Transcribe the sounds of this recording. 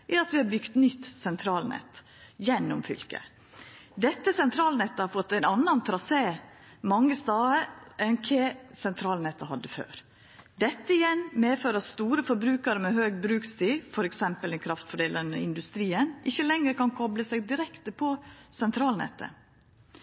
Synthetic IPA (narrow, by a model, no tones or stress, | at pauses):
ʔɛɑt̪ʋɪhɑɾbʏɡt̪nʏt̪ːsɛnt̪ʰɾɑːlnɛ̰t̪ | jɛnːʊmfʏ̰lkə̰ | d̪ɛt̪ːəsɛnt̪ʰɾɑːlnɛt̪ːəhɑɾfɔt̪ːæɪnɑnːɑnt̪ʰɾɑseː | mɑŋːəst̪ɑːəʔɛnkʰeːsɛnt̪ʰɾɑːlnɛt̪ːəɦɑd̪ːəfø̰ːɾ | d̪ɛt̪ːəɪjɛnmeːføːɾɑst̪uːɾəfɔɾbɾʉːkɑɾəmɛhøːɡbɾʉːkst̪iːfɔɾɛksɛmpəlɛnkʰɾɑft̪fɔɖeːlənəɪ̰nd̪ʉst̪ɾiːənʔɪçːəlɛŋɾəkɑnkʰɔbləsɛɡd̪ɪɾɛkt̪əpʰɔsɛnt̪ʰɾɑːlnɛ̰t̪ːə̰